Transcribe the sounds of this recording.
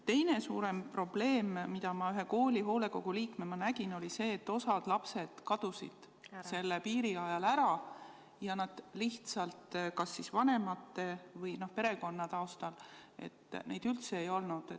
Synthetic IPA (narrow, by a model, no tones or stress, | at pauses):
t̪e̞jne̞sṵːɾe̞mpro̞b̥le̞ːmːid̪̥ɑmɑyɦe̞ko̞ːlʲiɦo̞ːle̞ko̞ɡ̥uliːkme̞mɑnæɡ̥ino̞lise̞ːt̪ːo̞sɑd̪̥lɑpse̞d̪̥kɑd̪̥usḭd̪̥ | se̞lːepiːɾiɑjɑlæɾɑ | jɑnɑd̪̥liht̪sɑlt̪kɑsːisvɑne̞mɑt̪ːe̞vɤjno̞hpe̞ɾe̞ko̞nːɑt̪ɑost̪ɑle̞̰t̪ːne̞jd̪ylt̪seːjo̞lnud̪̥e